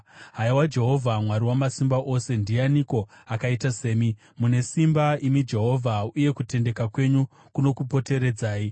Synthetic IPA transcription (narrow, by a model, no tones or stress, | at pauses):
ɦaiwad͡ʒe̞ɦo̞vʱamwaɾiwamasimbaʔo̞se̞ndianiko̞akaitase̞ːmi | mune̞simbaimid͡ʒe̞ɦo̞vʱauje̞kute̞nde̞kakwe̞ɲu | kuno̞kupo̞te̞ɾe̞d͡zaːi